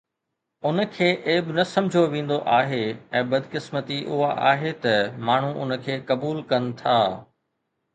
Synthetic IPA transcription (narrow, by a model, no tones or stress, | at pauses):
ʊnə̆kʰeːʔeːbɪnɐsɐ̃md͡ʑʱoʋẽːn̆d̪oʔaːɦeɛ̃ːbɐd̪kɪsmət̪iʔʊɦaʔaːɦet̪ɐmaːɳ̤uʔʊ̰nəkʰeːkɐbuːlkɐnɪ̆t̪ʰaː